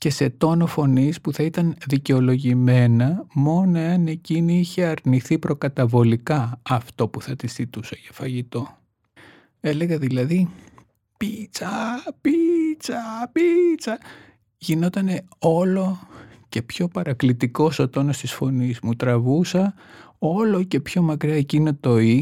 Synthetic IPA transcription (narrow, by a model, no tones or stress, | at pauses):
ce̞se̞t̪o̞no̞fo̞nispuθɐit̪ɐnðice̞o̞lo̞ʝime̞nɐmo̞no̞eɐne̞ciniiçe̞ɐɾniθipɾo̞kɐt̪ɐvo̞likɐɐft̪o̞puθɐt̪isθit̪usɐcɐ̥fɐʝit̪o̞ | e̞le̞ɣɐðilɐði | pit͡sɐpit͡sɐpit͡sɐ | ʝino̞t̪ɐne̞o̞lo̞ce̞pço̞pɐɾɐklit̪iko̞sot̪o̞nost̪isfo̞nizmut̪ɾɐvusɐ | o̞lo̞ce̞pço̞mɐkɾiɐecinot̪o̞i